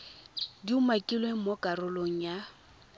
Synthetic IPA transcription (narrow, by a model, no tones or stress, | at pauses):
diumakʼilweŋ̩mokʼaɾʊloŋ̩ja